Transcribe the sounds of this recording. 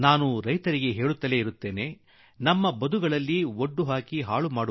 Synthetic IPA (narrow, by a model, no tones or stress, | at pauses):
naːnuɾɐjt̪ɐɾiɡe̞ɦe̞ːɭut̪ːɐle̞iɾut̪ːe̞ːne̞ː | nɐmːɐbɐd̪ʱuɡɐɭɐlːioɖːuɦaːkiɦaːɭumaːɽu